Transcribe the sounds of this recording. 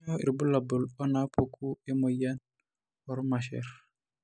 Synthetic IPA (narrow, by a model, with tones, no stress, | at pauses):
ɔ˦ḭ˨ɾbu˦la˨bu˨lɔ˦na˦pʰo˦kʰu˦e˦mo˨ja˦n | ɔ˨ɾma˨ʃɛ̰ɾ